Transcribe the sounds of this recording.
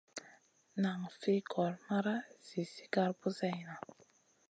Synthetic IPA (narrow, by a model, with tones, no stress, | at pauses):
na˨ŋfi˦kʰɔ˨ɾma˦ɾa˦z̥i˨si̥˦ɡa˦ɾbu˦za˦jna˨